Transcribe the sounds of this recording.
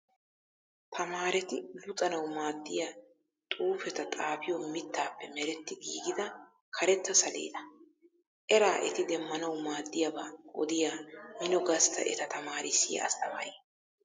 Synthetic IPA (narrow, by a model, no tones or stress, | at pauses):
t̪ʰɐmaːɾɛt̪ɪlʊt̪ʼɐnɐwmaːd̪ːɪja | t̪ʼuːfɛt̪ɐt̪ʼaːfɪjɔmɪt̪ːaːpːɛmɛɾɛt̪ːɪɡiːɡɪd̪ɐ | kʰɐɾɛt̪ːɐsɐlḛːd̪ɐ̥ | ʔɛɾaːʔɛ̰t̪ɪd̪ɛmːɐnɐwmaːd̪ːɪjɐbaɔ̰d̪ɪjaːmɪnɔɡɐst̪ɐ̰ʔɛ̰t̪ɐt̪ɐmaːɾɪsːɪjɐ̰ɐ̰st̪ɐmajeː